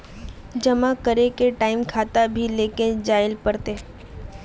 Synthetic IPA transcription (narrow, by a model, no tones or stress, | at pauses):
d͡ʒɐmakəɾekeʈaːɪmkʰaːt̪abʱileːked͡ʒaːɪlpɐɾt̪eː